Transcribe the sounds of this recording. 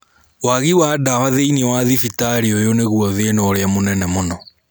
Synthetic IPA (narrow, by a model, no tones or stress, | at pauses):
waɣiwadawaðeiniwaðifitaɾiojoneɣuɔðenɔɾeamonɛnɛmonɔ